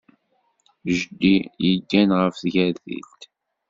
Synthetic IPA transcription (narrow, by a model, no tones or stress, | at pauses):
ʒd̪ijəɡːænʁəfθʝæðḭlt̪